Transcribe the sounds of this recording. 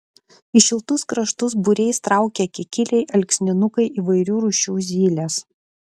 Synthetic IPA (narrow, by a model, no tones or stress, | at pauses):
ɪʃʲɪlˠt̪ʊskɾɐʃt̪ʊsbʊɾʲɛɪst̪ɾɑˑʊkʲɛkʲɪkʲɪlʲɛɪʔɐlʲksʲnʲɪnʊkɐɪʔiːʋɐɪɾʲuːɾʊʃʲuːzʲiːlʲɛs